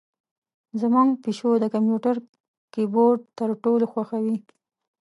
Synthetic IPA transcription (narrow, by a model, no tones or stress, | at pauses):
zamɑŋɡpiʃod̪əkampjuʈaɾ | kiboɾɖ̚t̪əɾʈoloxwaxawi